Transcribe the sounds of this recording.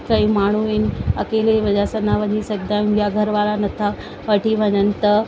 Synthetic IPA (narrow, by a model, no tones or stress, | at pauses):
kəimaɳ̤̃uenəkeleʋəd͡ʑasənaʋənisəɡd̪aɡʱjaɡʱəɾʋalanət̪ʰa | əʈiːʋ̤ənənt̪ə